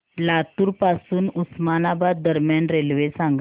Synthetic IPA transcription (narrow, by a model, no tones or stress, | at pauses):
lat̪uːɾpasuːnusmanabad̪d̪əɾmjanɾelʋesãŋɡ